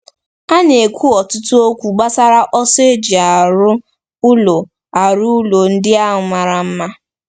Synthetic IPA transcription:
a˦n˦e˨kʷʰu˦ɔ˨tʊ˦tʊ˦o˦kʷu˨ɡ͡ba˦sa˦ɾa˦ʔɔ˦se˦d͡ʒi˨a˨ɾʊ˦ | ʊ˦lo˨ | a˨ɾʊ˦u˦lo˨n̩˦dɪ˦a˦ɦʊ˨ma˨ɾa˨m̩˦ma˦

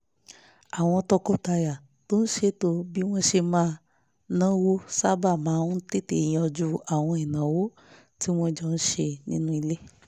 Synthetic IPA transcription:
a˨w̃ɔ̃˧tɔ˧kɔ˦ta˧ja˨ | to˦n̩˦ʃe˧to˧bi˦w̃ɔ̃˦ʃe˧mãː˧ | nã˦wo˦sa˦ba˦˨mãː˨˦te˦˨tẽ˨ĩ˧˦ɔ˧d͡ʒu˧a˨w̃ɔ̃˧i˨nã˨wo˦ | ti˦w̃ɔ̃˦d͡ʒɔ˧n̩˦ʃe˧nĩ˦nũ˦i˧le˦

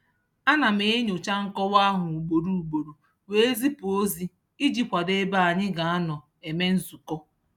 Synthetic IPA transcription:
a˦na˨me˨˦e˦ɲo˨t͡ʃa˦ŋ̩˦kɔ˦wa˦ɦʊ˨u˨ɡ͡bo˨ɾu˦u˨ɡ͡bo˨ɾo˨ | we˦e˦zi˦po˦zi˦ | i˦d͡ʒi˦kʷa˨de˦ba˦a˨ɲɪ˦ɡa˨a˦nɔ˨ | e˨me˦n̩˦zu˨kɔ˦

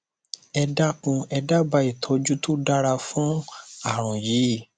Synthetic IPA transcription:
ɛ˧da˦kũ˧ɛ˧da˦ba˧i˨tʰɔ˨˦d͡ʒu˦to˦da˦ɾa˧fũ˦a˦˨ɾ̃ɔ̃˨ji˨˦˨

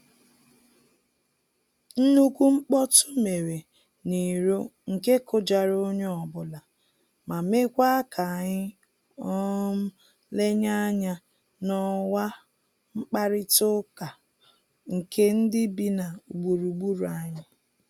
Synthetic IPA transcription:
n̩˦nu˦kʷu˦ŋ͡m̩˦k͡pɔ˦tʊ˦me˨ɾe˨ | ni˨ɾo˦ŋ̩˨ke˦kʊ˦d͡ʒa˨ɾo˦ɲ˦ɔ˨bʊ˨la˨ | ma˨me˦kʷa˦kʰa˨ɲɪ˦ | ɔ˦m̩˦ | le˦ɲa˦ɲa˦ | nɔ˦wa˦ | ŋ͡m̩˦k͡pa˦ɾɪ˦tʊ˦ka˨ | ŋ̩˨kʰe˦n̩˦dɪ˦bi˦na˨u˨ɡ͡bu˨ɾu˨ɡ͡bu˦ɾu˨a˨ɲa˦

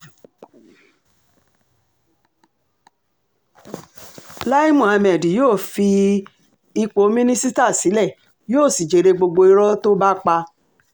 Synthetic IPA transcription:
la˦i˦mũ˨a˧mɛ˨di˨joː˦˨fi˧ | i˧k͡po˨˦mĩ˦nĩ˦si˦ta˦˨si˨˦lɛ˦˨ | joː˦˨si˨d͡ʒe˨ɾe˧ɡ͡bo˧ɡ͡bo˧i˦ɾɔ˦to˦ba˦k͡pa˧

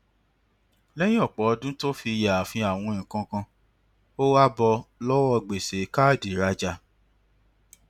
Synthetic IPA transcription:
lɛ̃˦ĩ˦ɔ˦˨k͡pɔ˨ɔ˧dũ˦to˦fi˧ja˨fĩ˧a˨w̃ɔ̃˧ĩ˨kã˧kã˧ | o˦wa˦bɔ˧lɔ˦wɔ˧ɡ͡be˨se˨˦ka˦˨di˨ɾa˧d͡ʒa˧

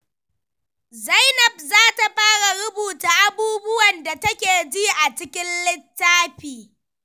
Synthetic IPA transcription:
za˦jnɐ˨b̚zaː˦ta˨ɸaː˦ɽa˨ɽʊ˦buː˨ta˨ʔa˦buː˦bʊ˦wɐ˨nda˨tɐ˦kʲeː˨d͡ʒi˦ʔa˨t͡ʃɪ˦kʲɪ˦nlɪ˦tːaː˦ɸiː˨

